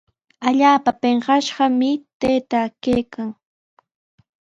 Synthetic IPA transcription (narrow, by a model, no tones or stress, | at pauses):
aʎaːpapeɴɢɑʃɢɑmɪt̪ejt̪akejkaŋ